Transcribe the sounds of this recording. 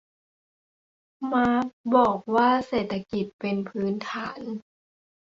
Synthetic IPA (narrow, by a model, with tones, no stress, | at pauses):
maː˧˦˥bɔː˨˩k̚waː˥˩˨seː˨˩t̪ʰːa˧ki˨˩t̪̚pe˧npʰɯː˦˥nt̪ʰaː˩˦n